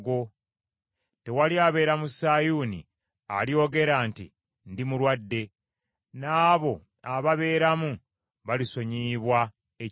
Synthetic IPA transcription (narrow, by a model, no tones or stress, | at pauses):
ɡo̞ | te̞waliaβe̞ːɾamusajuːnḭ | a̰ljo̞ɡe̞ɾaːntḭ | ndimulwadːe̞ | naːβo̞ | aβaβe̞ːɾamu | βaliso̞ɲiːβwa | e